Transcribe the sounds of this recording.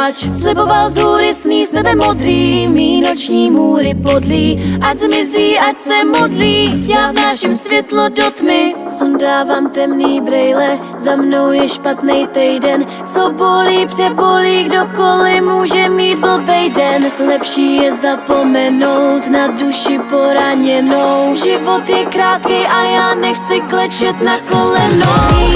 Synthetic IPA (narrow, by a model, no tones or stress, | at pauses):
slɪbo̞valzuːɾɪsmiːsɛbɛmod̪ɾiːmiːnot͡ʃɲiːmuːɾɪpodliːʔazmɪziːʔacsɛmodliːjaːvnaːʃɪmsvjɛt̪lodot̪mɪsɛmdaːvaːmt̪ɛmniːbɾɛjlɛ | zamno̞wjɛʃpat̪nɛjt̪ɛjdɛn | t͡soboliːpr̥ɛboliːɡdo̞ko̞lɪmuːʒɛmiːt̪̚bl̩bɛjdɛnlɛpʃiːjɛzapo̞mɛno̞wt̪naduʃɪpo̞ɾaɲɛnowʒɪvo̞t̪jɛkɾaːt̪kɛjʔajaːnɛxt͡sɪklɛt͡ʃɛt̪nakolɛno